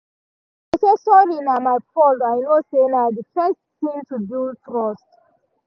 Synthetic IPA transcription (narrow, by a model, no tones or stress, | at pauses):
asesɔninamaɪpɔlajnosenadəfɛstθĩntudutɹɔst